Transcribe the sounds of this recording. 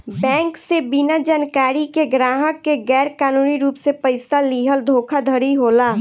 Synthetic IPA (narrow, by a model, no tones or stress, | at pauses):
bɛ̃ːŋksebinad͡ʒaːnkaːɾikeɡɾaːɦəkːeɡɛːɾkaːnuːniɾuːpsepəɪsaliːɦəld̪ʱoːkʰad̪ʱəɾiɦoːlaː